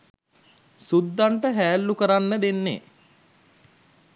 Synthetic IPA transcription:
sud̪ːaɳʈəɦæːlːukəɾanːəd̪enːḛ

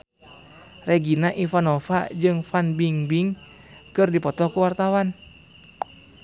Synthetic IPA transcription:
rɛɡinaʔifanofa̰d͡ʒɨŋfanbiŋbiŋ | kɨrdipɔt̪ɔkuwart̪awan

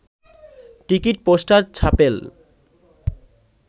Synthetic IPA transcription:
ʈikiʈ̚poʃʈaɾt͡ɕʰapel

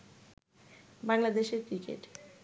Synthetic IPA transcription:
baŋlad̪eʃeɾkɾikḛʈ

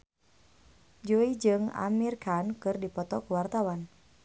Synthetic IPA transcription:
d͡ʒuid͡ʒɨŋa̰mirkankɨrdipɔt̪ɔkuwart̪awan

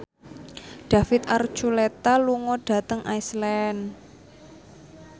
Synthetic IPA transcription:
ɖ̥a̤fɪt̪art͡ʃulet̪aluŋɔɖ̥ä̤t̪əŋʔaislɛn

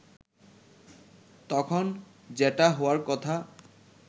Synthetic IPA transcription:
t̪ɔkʰon | d͡ʑeʈaɦowaɾkɔt̪ʰa

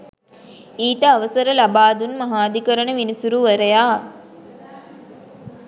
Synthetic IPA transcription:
iːt̪əaʋəsəɾəlabaːd̪unmaɦaːd̪ikəɾənəʋinisuɾuʋəɾəjaː

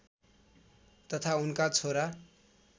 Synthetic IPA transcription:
t̪ʌt̪ʰaunkat͡sʰoɾa

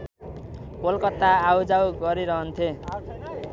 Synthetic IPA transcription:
bolkʌt̪ːaːwd͡zawɡʌɾiɾʌɦʌnt̪ʰe

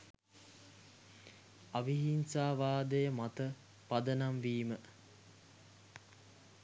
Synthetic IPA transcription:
aʋiɦinsaːʋaːd̪əjəmat̪ə | pad̪ənamʋiːmə

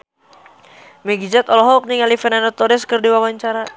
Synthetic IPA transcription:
mɛɡid͡ʒat̪ɔlɔɦɔk̚niŋalifɛnanɔt̪ɔɾɛskərdiwawaɲt͡ʃaɾa

